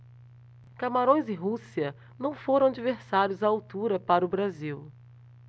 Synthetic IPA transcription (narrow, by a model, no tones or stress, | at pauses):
kamaɾõj̃zɪɦusiɐ | nɐ̃w̃foɾɐ̃ad͡ʒiveɾsaɾjʊzaawt̪uɾɐpaɾɐʊbɾaziw